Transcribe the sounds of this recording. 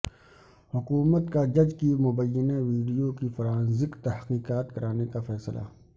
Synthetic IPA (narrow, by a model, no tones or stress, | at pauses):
hʊkuːmət̪kad͡ʒɐd͡ʒkimʊbəjːəneʋiːɖijokifɐɾaːnzɪkt̪ɐhqiːqaːt̪kɐɾaːnekafɛːslʔa̰